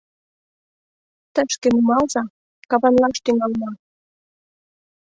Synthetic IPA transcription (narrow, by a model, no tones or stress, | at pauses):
t̪əʃkĕmumɑlzɑ | kɑβɑnlɑʃt̪yŋɑlmɑ